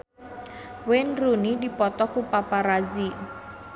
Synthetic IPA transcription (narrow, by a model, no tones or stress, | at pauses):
wɪnrunidipɔt̪ɔkupapaɾazi